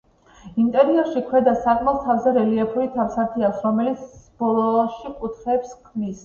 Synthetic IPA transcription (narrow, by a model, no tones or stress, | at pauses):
imt̪ʼɛɾiɛɾʃikʰwɛd̪asakʼmɛlˠt̪ʰavzɛɾɛliɛpʰuɾit̪ʰafsaɾt̪ʰiasɾɔmɛlit̪sʰb̥ɔɾɔʃikʼut̪ʰχɛːpskʰmis